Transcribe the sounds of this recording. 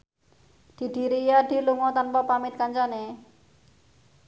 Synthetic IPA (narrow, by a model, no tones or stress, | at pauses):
d̪̥i̤ɖ̥i̤ɾiːjaɖ̪i̤luŋɔt̪anpɔpamɪt̪̚kaɲd͡ʒane